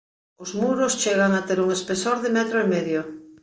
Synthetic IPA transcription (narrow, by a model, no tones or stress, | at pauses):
ozmuɾost͡ʃeɣ̞aŋat̪eɾuŋespesoɾðɪmɛt̪ɾoemɛðjo